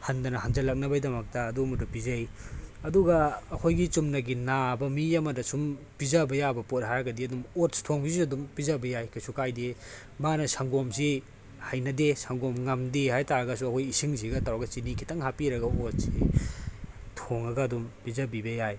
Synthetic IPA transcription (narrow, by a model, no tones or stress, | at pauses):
hɐndɐnɐɦand͡ʒɐlɐk̚nɐbɐjdɐmɐk̚tɐːdumɐdupizɐjɐduɡɐːkʰojɡit͡ʃumnɐɡinabɐmiɐmɐdɐsum | pizɐbɐjabɐpot̚ɦaɾɡɐdiɐdumotstʰoŋbisuɐdumpizɐbɐjajkʰasukajde | manɐsʰaŋɡomsi | hajnɐdesaŋɡomŋɐmdehajtaɾɐɡɐsuɐkʰojisiŋziɡɐtawaɡɐt͡ʃinikʰitɐŋɦapiɾɐɡɐotsi | tʰoŋɐɡɐːdumpizɐbibɐjaj